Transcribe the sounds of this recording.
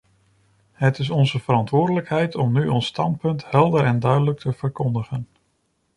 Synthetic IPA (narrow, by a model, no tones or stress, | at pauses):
ɦətɪsɔnzəv̥əɾɑntʋʊːɹdələkɦɛjtɔmnyʔɔnstɑnt̚pɵntɦɛlˠdəɾɛndœɥdələk̚tʰəv̥əɹkɔndəχən